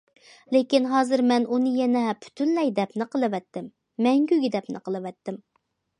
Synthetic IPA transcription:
lekʲinɦɑːzɨɾmɛnunɨjɛnɛpʰy̥t̪ʰynlɛjd̪ɛpnɪqəlˠɨwɛt̪ːɪmː | ɛŋɡʲyɡʲid̪ɛpnɨ̰qʰəlˠɨwɛt̪ːɪm

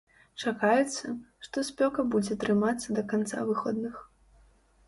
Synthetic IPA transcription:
t͡ʂakajɛt̪sːɐʂt̪ɔsʲpʲɔkɐbud͡zʲɛt̪ɾɨmat̪sːɐd̪ɐkant̪sa̰vɨxɔd̪nɨx

